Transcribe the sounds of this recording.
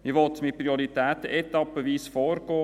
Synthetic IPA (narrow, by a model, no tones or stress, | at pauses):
iʋɔt̪mɪpɾiɔɾit̪æːt̪əʔɛt̪ɑpːəʋiːsfɔːɾɡ̥ɔː